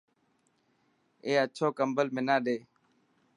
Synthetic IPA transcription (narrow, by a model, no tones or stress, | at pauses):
eːət͡ʃʰoːkəmbəlmɪnãːɗeː